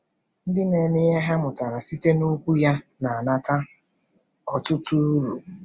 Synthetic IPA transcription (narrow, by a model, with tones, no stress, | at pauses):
n̩˦dɪ˦ne˨mɪ˦ɣe˦ɦa˦mʊ˨ta˨ɾa˨si˦te˦nu˦kʷu˦ja˦na˨a˨na˦ta˦ | ɔ˨tʊ˦tu˦ɾu˨